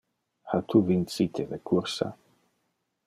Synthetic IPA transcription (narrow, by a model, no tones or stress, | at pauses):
hat̪ʰuvint͡sit̪ʰelekʰuɾsa̰